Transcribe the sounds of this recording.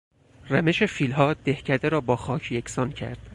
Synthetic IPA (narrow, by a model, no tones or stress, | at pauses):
ræmeʃe̞fiːlɦɒːd̪̥ehcʰæd̪eɾɒːbɒːxɒːcʰjekʰsɒːncʰæ̰ɾd̪̥